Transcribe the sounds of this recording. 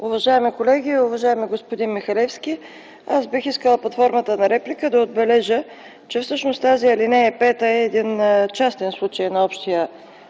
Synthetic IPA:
ʊvɐʒaɛmikolɛɡʲiʊvɐʒaɛmiɡospod̪inmixɐlɛfsk̟ʲi | asbixiskəlˠɐplˠɐt̪fɔɾmət̪ənɐɾɛplikəd̪ɐod̪̚bɛlɛʒə | t͡ʃɛfsɤʃnost̪aziɐlinɛɛpɛt̪əɛːd̪int͡ʃast̪ɛnslˠut͡ʃəjnɐɔpʃt̪ijə

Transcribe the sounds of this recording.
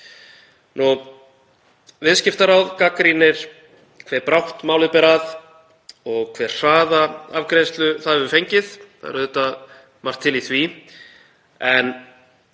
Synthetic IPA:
nu | vɪðscɪft̪aɾawðkakɾinɪɾ̥ | kʰvɛːɾpɾawht̪maːwlɪpɛɾað | ɔɣkʰvɛːr̥saːðaavkɾejst̪lʏθaðvʏfejɲcɪðθa̰ðɛ̰ɾðʏt̪a | mar̥t̪ʰːɪliθvi | ɛn

